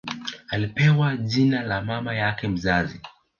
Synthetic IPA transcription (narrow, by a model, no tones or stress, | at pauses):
alipɛwaʄinalamamajakɛm̩zazi